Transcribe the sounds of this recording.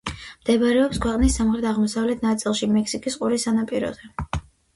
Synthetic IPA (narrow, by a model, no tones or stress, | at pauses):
md̪̥ɛbɾɛɔpskʰwɛqʼnisːamχɾɛt̪ʰaʁmɔsavlɛt̪ʰnat̪sʼilˠʃimɛksikʼisqʼuɾisanapʼiɾɔ̰zɛ